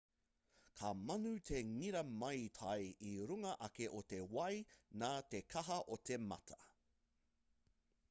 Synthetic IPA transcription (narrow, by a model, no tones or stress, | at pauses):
kʰɐmɐnʉtʰeŋiɾɐmɐjt̪ʰɐjiɾuŋɐʔɐkeʔot̪e̞wɐjnaːt̪ekʰɐɦɐʔot̪ʰemɐ̰tʰɐ̥